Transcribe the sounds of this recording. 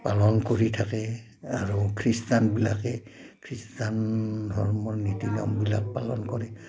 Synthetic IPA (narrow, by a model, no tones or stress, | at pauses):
palɔnkoɹitʰakɛ | aɹukʰɹistanbila̰kɛ | kʰɹistandʱɔɹmɔɹnitina̰mbila̰k̚palɔnkɔɹɛ